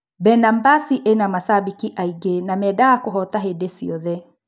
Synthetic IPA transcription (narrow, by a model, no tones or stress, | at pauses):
bɛnambasiʔenamasabikiʔaiɡenamɛdaakuɦɔtaɦedesiɔðɛ